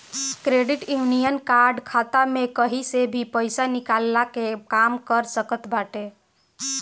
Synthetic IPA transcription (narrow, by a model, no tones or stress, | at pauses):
kɾeɖiʈjunijənkaɾɖkʰat̪amekəɦisebʱipəjsanikalːakekamkəɾsəkət̪baʈe